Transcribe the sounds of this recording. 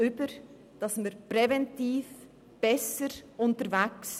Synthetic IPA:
ʏbəɾ | d̥ɑsmiɾpɾɛvɛntiːf | b̥ɛsəɾʔʊntəɾvæks

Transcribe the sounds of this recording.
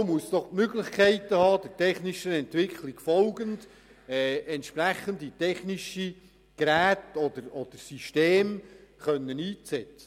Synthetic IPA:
muəsd̥̪ɔχtmøɡlɪχkʰɛɪtːəhɑːd̥ətɛχniʃəɛntʋɪkʰliɡ̥fɔlɡənd̥ | ɛːɛntʃpɾæχənditɛχniʃi | ɡ̥ɾæːtɔd̥̪əɾɔd̥əɾsyʃteːmχœnːəniːt͡st͡sɛt͡sə̥

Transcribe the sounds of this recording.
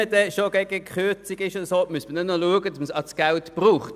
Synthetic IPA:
ədɛʃoɡ̥ɛɡ̥əkχʏt͡siɡɪʃodəsoːmyəstmədɛnɔluəɡədɑsməsɑsɡ̥ɛltb̥ʁuːχt

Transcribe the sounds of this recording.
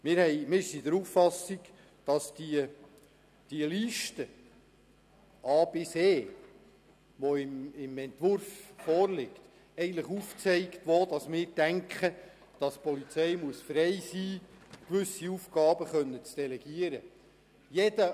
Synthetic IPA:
mɪːɾhɛjmɪːɾsidəɾufːɑsiɡ | d̥ɑsdi | d̥iəliʃtə | ɑːbɪseː | ʋoɪmɪmɛnt̪ʋʊɾfːɔːɾlɪkt | ɛɡəntləχuːft͡sɛɪktʋoːd̥ɑsmɪːɾd̥æŋkχə | d̥ɑspɔlit͡sɛjmuəsfɾɛjsiːkʋʏsiufɡ̥ɑːbəχœnːət͡sd̥ɛlɛɡ̥iəɾə | jɛdə

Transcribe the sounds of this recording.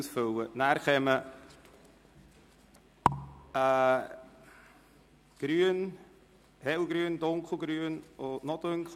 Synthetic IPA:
sfəwənarχɛmə | ə | ɡ̥ryən | hewɡryəndoŋkəl̩ˠɡryənɔnɔtøŋkχ

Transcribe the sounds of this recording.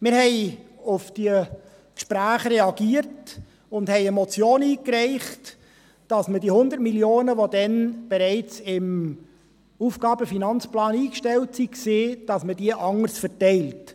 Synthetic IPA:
mɪɾhɛɪʊfd̥iə | kʃpɾæːχɾɛɑɡiəɾt | ʊndhɛɪɛmɔt͡sjoːniːkrɛɪχt | d̥ɑsmədiəhʊnd̪əɾtmiljoːnəʋodɛnb̥ɛɾɛɪt͡sɪm | uːfɡ̥ɑːbəfinɑnt͡splɑːniːkʃtɛltsikseːd̥ɑsməd̥iəʔɑŋəɾsfəɾtɛɪlt

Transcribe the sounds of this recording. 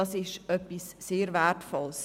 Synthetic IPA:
ɑsɪʃœpːisːeːɾvætfɔls

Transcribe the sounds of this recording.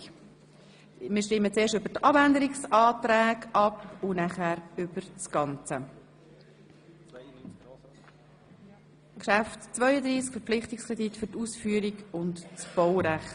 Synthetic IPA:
mɪːʃtɪmːət͡seːʃtøbəɾtɑbændəɾɪksɑːtɾɛːɡʔɑpʊnæχæːɾʏb̥əɾt͡sɡ̥ɑnt͡sə | kʃæftt͡svœʏəd̪ɾiːskfəɾpp͡flɪχtɪkskʁɛditfʏɾtuːsfyːəɾiɡʊntt͡sb̥ɔwɾæχt

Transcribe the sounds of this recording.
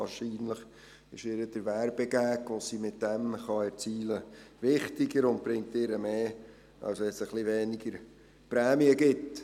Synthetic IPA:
ɑːʃiːnləχ | ɪʃɪɾəd̥əɾʋæɾb̥ɛɡæːkʋosimɪt̚d̥ɛmχɑɛɾt͡siːləvɪχtɪɡəɾʊnt̚b̥ɾɪŋ̚tɪɾəmeː | ɑ̰lsɛsəχlivɛːnɪɡəɾ | pɾɛːmiəɡɪt

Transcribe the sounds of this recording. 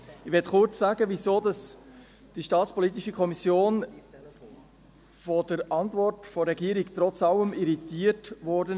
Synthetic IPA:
ɪʋɛtχʊɾt͡sːaːɡəvisoːdɑs | d̥iʃtɑːt͡spɔlit̪̬iʃəkʰɔmisjoːn | fɔdəɾʔɑntvɔrtfɔɾɛɡiːəɾikt̪ɾɔt͡sɑləmiɾitiːətʋɔɾdən

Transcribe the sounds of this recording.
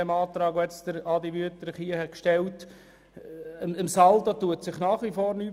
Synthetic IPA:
ɛmɑːtɾɑːɡoɛt͡sd̥əɾɑdiʋyətəɾχiəhɛt̚kʃtɛlt | əmɪmsɑldɑtuətsɪχnɑːχʋifoːɾnyː

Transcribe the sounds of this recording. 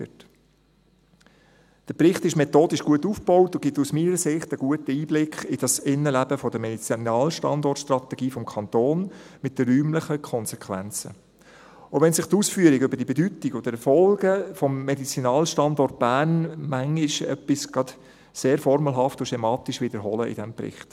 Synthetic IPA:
t | d̥əpɾɪχt̪ɪʃmɛt̪oːd̥iʃɡ̥uətːufb̥ɔwtʊɡ̥ɪtusmiːnɾəsɪχtəɡuətəiːblɪkʰχɪd̥ɑsɪnːəlæb̥əfɔd̥əmɛdit͡sinɑːlʃtɑ̰ndɔrtʃt̪ɾɑt̪ɛɡ̥iːfɔmkʰɑnt̪oːnmɪt̚d̥əːyːmləχəkʰɔnsɛkʰʋæ̰nt͡sə̰ | oʋɛnsɪχt̪uːsfyəɾiɡʏbəɾdiəbɛdytiɡod̥̪əɾɛfɔlɡ̥əfɔmːedit͡sinɑːlʃtɑndɔrt̚b̥æːɾnmæŋiʃœpːisɡ̥ɑt | seːɾfɔɾməlɦɑftʊʃtɛmɑːt̪iʃʋɪd̪əɾɦɔləʔɪ̰dɛmpɾɪ̰χt

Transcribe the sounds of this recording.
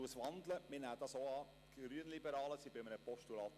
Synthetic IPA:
uəsʋɑnd̪ləmɪnæːd̥ɑsoɑː | ɡɾyənlibəɾɑːləsib̥ɪmənəpɔʃtulɑːt̪

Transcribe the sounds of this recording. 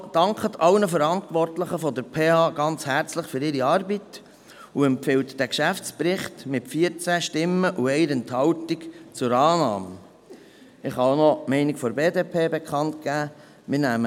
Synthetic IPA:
d̥ɑŋkχət̪ʰɑwnəfəɾɑntʋɔrtləχəfɔd̪əɾpʰeːɑːɡ̥ɑnt͡shæɾt͡sləχfɵɾɪɾiɑːrbit | uɛmpfɪwtd̥ækʃæft͡spɾɪχtmɪtfiəɾt͡sæʃtɪmːəʔuɛɪəɾɛnt̪hɑwtikt͡sʊɾɑːnɑːmə | ɪχhɑnɔmɛɪnikfɔɾbeːdeːpʰeːbekʰχɑntɡ̥æː | mɪɾnæːmə

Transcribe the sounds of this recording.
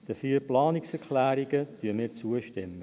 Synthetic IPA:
d̥əfiːɾplɑːnɪksɛɹkʰlæːɾɪɡətyːəmiːɾt͡suəʃtɪmːə

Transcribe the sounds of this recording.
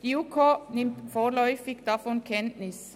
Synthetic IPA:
iːukʰoːnɪmfoːlœʏfɪkd̪ɑfɔnkʰɛnnɪs

